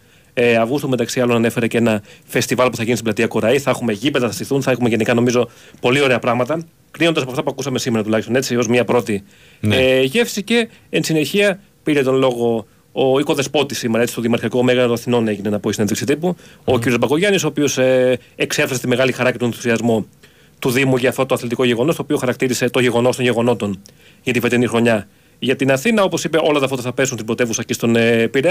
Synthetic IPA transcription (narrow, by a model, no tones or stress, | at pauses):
eɐvɣust̪ume̞t̪ɐksiɐlo̞nɐne̞fe̞ɾeceenɐfe̞st̪ivɐlpuθɐɣʝinist̪blɐt̪iɐkoɾɐiθɐexume̞ʝipeðɐθɐsiθunθɐexumeʝe̞nikɐno̞mizo̞ | po̞lio̞ɾe̞ɐpɾɐɣmɐt̪ɐ | kninond̪ɐsɐpoɐft̪ɐpuɐkusɐme̞sime̞ɾɐt̪ulɐçst̪o̞ne̞t͡sio̞zmɲɐpɾo̞t̪i | ʝe̞fsice̞ | ensine̞çiɐ | piɾe̞t̪o̞nlo̞ɣo̞ː | iko̞ðe̞spo̞t̪isimeɾɐet͡si̥st̪ðiemɐɾçiɐko̞me̞ɣɐnɐt̪oɐθino̞ne̞ʝinenɐpoisineðiksit̪ipuociɾiozbɐkoʝɐnisoːpio̞se | eksefɾɐset̪ime̞ɣɐlixɐɾɐcet̪oenθu̥siɐzmu | t̪uðimuʝɐːft̪o̞t̪oθlet̪iko̞ʝe̞ɣo̞no̞st̪oːpio̞xɐɾɐkt̪iɾise̞t̪o̞ɲʝeɣo̞no̞st̪onʝe̞ɣo̞no̞t̪o̞n | ʝɐt̪ife̞t̪enixɾo̞ɲɐ | ʝɐt̪inɐθinɐo̞po̞sipe̞ʔo̞lɐt̪ɐft̪ot̪ɐθɐpesunst̪ibɾo̞t̪evusɐcest̪o̞nepiɾe